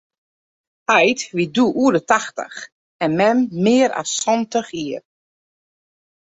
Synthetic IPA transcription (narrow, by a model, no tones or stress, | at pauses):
ɛjtʋiduʔuədətaxtə̰x | ɛnmɛmːɪːɾa̰sːɔntəxiər